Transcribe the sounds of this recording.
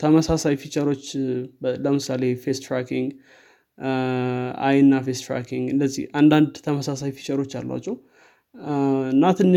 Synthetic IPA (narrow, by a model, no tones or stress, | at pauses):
t̪ʰəməsasajfit͡ʃʼəɾo̞t͡ʃːbləmɨsale̞fest̪ɾakiŋɡ | a̰jɨnːafest̪ɾa̰kiŋɡɨndəzːḭhand̪and̪t̪ʰəməsasajfi̥t͡ʃʼəɾo̞t͡ʃːa̰lːa̰t͡ʃːɛw | ɨnːat̪ʰɨnːɨ